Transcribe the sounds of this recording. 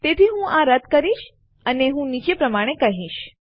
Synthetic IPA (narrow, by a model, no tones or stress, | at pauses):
t̪et̪ʰiɦũʔaɾəd̪kəɾiʃ | əneɦũnit͡ʃepɾəmaɽ̃ekəɦiʃ